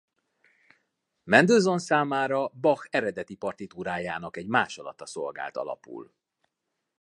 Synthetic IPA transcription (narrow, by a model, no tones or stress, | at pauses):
mɛnd̪øːzo̞nsaːmaːɾɒbɒxɛɾɛd̪ɛt̪ipɒrt̪it̪uːɾaːjaːnɒkɛɟmaːʃɒlɒ̰t̪ːɒso̞lɡa̰ːlt̪ɒ̰lɒ̰pṵːl